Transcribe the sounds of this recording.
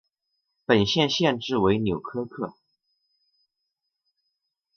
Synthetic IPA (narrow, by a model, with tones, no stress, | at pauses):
pə˨˩nɕjɛ˥˧nɕjɛ˥˧nʈ͡ʂɻ̩˥˩we˧˥ɪnjo˨˩ʊkʰɤ˥kʰɤ˥˩